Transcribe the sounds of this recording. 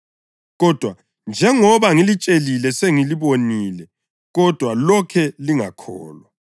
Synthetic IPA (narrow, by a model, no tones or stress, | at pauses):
ɣɔd̥ʱwa | nd͡ʒʱɛŋɔβaŋilit͡ʃʼelilɛseŋiliβoniːlɛ | ɣɔd̥ʱwalɔkʰɛliŋa̰kʰɔ̰ːlwa